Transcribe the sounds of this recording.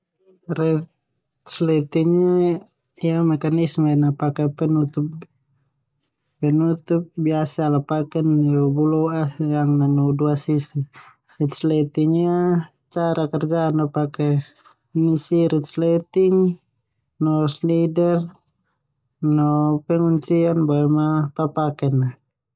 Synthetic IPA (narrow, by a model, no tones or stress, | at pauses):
rɛt̪ | slɛt̪iŋɲa | ijamɛkanismanapakɛpɛnut̪up̚ | pɛnut̪up̚biasalapakɛnibulɔajaŋnanɔduasisi | rit̪slɛt̪iŋɲa | t͡ʃaɾakɛrd͡ʒanapakɛ | nisiɾit̪slɛt̪iŋ | nɔslidɛr | nɔpɛŋuɲt͡ʃianbaɛmapapakɛna